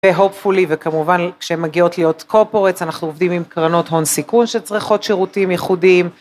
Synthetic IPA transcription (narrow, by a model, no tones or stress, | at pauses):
veɦo̞pfulivekamuvankʃeemːaɡio̞tlijo̞t̪kʰo̞poʁet͡sanaχnuovdimimkʁano̞tɦo̞nsikunʃet͡sʁiχo̞tʃeʁutimjɛχudim